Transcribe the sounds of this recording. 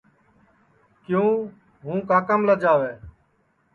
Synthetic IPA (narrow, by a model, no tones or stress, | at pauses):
kjũː | ɦũːkaːkəmləd͡ʒaːʋeː